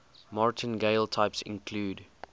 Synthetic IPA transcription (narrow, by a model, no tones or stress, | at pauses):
mɑɹtʰə̃nɡeɪltʰaɪpsɪ̰̃nkʰluːd